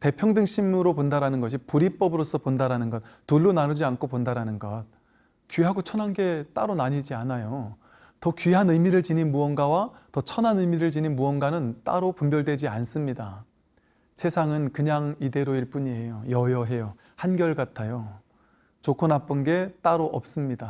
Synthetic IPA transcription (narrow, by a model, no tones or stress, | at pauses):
te̞pʰjʌŋdɯŋɕ͈ʰimɯɾopondaɾanɯnɡʌɕʰipuɾip͈ʌbɯɾos͈ʰʌpondaɾanɯnɡʌt̚tuɭːonanud͡ʑiankʰopondaɾanɯnɡʌt̚ | kɥiɦaɡot͡ɕʰʌnɦanɡe̞t͈a̰ɾonaɲid͡ʑianajo | tʌkɥiɦanɯjmiɾɯɭt͡ɕininmuʌnɡawatʌt͡ɕʰʌnɦanɯjmiɾɯɭt͡ɕininmuʌnɡwanɯnt͈a̰ɾopumbjʌɭdwe̞d͡ʑians͈ɯmɲida | sʰe̞sʰaŋɯnkɯɲaŋide̞ɾoiɭp͈uɲie̞jojʌjʌɦe̞jo | hanɡjʌɭɡatʰajo | t͡ɕokʰonap͈unɡe̞t͈aɾoʔʌp̚s͈ɯmɲida